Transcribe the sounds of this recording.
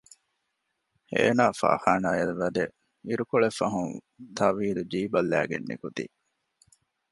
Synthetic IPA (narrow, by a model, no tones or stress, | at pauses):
ḛːnaːfa̰ːhaːnaːjɐlʋɐd̪e | iɾukoɭefɐɦuŋ | t̪ʰɐʋiːɾud͡ʒiːbɐlːæ̰ːɡḛnːḭkut̪ḭ